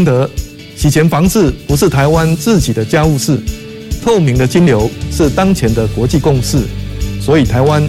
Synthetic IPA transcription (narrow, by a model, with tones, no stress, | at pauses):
ŋt̪ɤ˧˥ | t͡ɕʰi˨˥˩t͡ɕʰjɛ˧˥nfɑ˧˥ŋt͡sɹ̩˥˩pu˧˥ʂɻ̩˥˩t̪ʰa˧˥ɪwa˦nt͡sɹ̩˥˩t͡ɕi˨˩d̪ə˦t͡ɕja˥u˥˧ʂɻ̩˥˩ | t̪ʰo˥˩ʊmi˧˥ŋd̪ə˧t͡ɕi˥nljo˧˦ʊʂɻ̩˥˨t̪ɑ˥ŋt͡ɕʰjɛ˧˦nd̪ə˧kwɔ˧˦t͡ɕi˥˧kʊ˥˧ŋʂɻ̩˥˩swɔ˧˥i˨˩t̪ʰa˧˥ɪwa˦˥n